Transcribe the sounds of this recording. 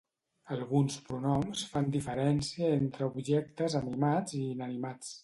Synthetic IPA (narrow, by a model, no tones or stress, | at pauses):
əlˠɣunspɾunɔmsfand̪ifəɾɛnsiəent̪ɾəubʒɛk̚t̪əzənimad͡ziːnənimat͡s